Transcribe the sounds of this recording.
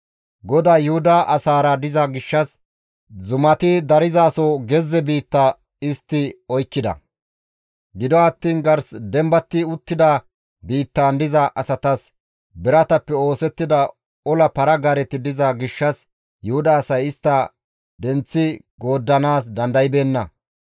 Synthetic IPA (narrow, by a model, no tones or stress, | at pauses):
ɡɔd̪aːjʊhʊd̪ɐʔɐsaːɾɐd̪ɪzaɡɪʃːɐs | zʊmɐt̪ɪd̪ɐɾɪzaːsɔɡɛzːɛbiːt̪ːa | ɪst̪ːɪɔjkːɪd̪ɐ̰ | ɡɪd̪ɔɐt̪ːiːnɡɐɾsd̪ɛmbɐt̪ːɪʊt̪ːɪd̪a | biːt̪ːaːnd̪ɪzɐʔɐsɐt̪ɐs | bɪɾɐt̪ɐpːɛo̞ːsɛt̪ːɪd̪ɐ | ɔlɐpɐɾɐɡaɾɛt̪ɪd̪ɪzɐɡɪʃːɐs | jʊhʊd̪ɐːsɐjɪst̪ːɐ | d̪ɛnt͡sːɪ | ɡo̞ːd̪ːɐnaːs̬d̪ɐnd̪ɐjɪbe̞ːnːɐ